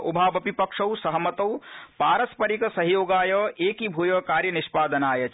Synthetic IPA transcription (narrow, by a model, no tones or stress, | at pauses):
ubʱaːbɐpipɐkʂɐwsɐɦəmɐt̪ɐwpaːɾɐspɐɾiksɐɦjoːɡaːjɐeːkibʱuːjɐkaːɾjɐniʃpaːd̪ɐnaːjɐt͡ʃ